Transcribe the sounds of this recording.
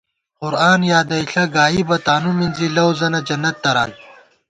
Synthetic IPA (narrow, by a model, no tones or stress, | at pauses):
qʊɾaːnjaːd̪ɐiɬɐɡaːibɐt̪aːnuminzilɐwzɐnɐd͡ʑɐnːɐt̪̚ːɐɾa̰ːn